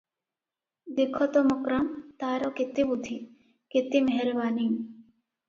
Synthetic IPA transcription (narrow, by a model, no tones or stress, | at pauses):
d̪ikʰːɔt̪omʊkɾamt̪aːɾokɪt̪ibud̪ʱi | kɪt̪imeɦeɾbaːniŋ